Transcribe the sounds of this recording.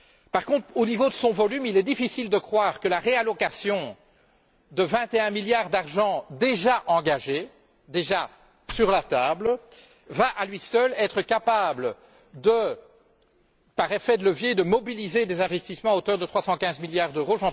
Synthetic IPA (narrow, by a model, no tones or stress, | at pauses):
paʁkɔ̃t̪χonivod̪əsɔ̃vɔlymilɛd̪ifisild̪əkχwaːʁkəlaʁealɔkasjɔ̃ | d̪əvɛ̃t̪eɛ̃miljaʁd̪aʁʒɑ̃d̪eʒaʔɑ̃ɡaʒe | d̪eʒa | syʁlat̪aːbl | vaʔalɥisœlɛt̪χəkapablə | d̪ə | paʁefɛd̪ləvjed̪əmɔbilized̪ezɛ̃vɛst̪ismɑ̃aot̪œʁd̪ət̪χwasɑ̃kʲɛ̃zmiljaʁd̪øʁoʒɑ̃